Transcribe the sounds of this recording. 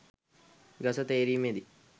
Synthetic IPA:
ɡɐsət̪eːɾiːmed̪i

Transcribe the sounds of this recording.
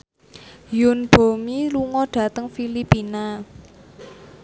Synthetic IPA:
jʊnb̥o̤miluŋɔɖ̥a̤t̪əŋfilipina

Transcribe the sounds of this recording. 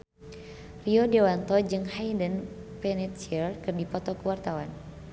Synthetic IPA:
riɔdɛwant̪ɔd͡ʒɨŋhajdənpɛnit̪̚t͡ʃiərkɨrnipɔt̪ɔkəwart̪awan

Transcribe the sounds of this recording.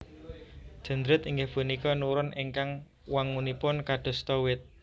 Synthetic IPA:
d̥ʒ̥ə̤nd̪ɾɪt̪iŋɡefunikɔnuɾʊnʔiŋkaŋ | waŋunipʊnkad̥ɔ̤st̪ɔwɪt̪̚

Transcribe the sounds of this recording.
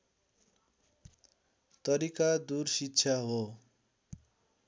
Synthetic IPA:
t̪ʌɾikad̪ursitːt͡sʰjaɦo

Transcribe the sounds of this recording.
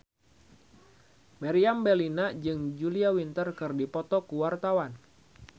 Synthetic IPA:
maɾiambelinad͡ʒɨŋd͡ʒuliawint̪ərkɨrdipɔt̪ɔkuwart̪awan

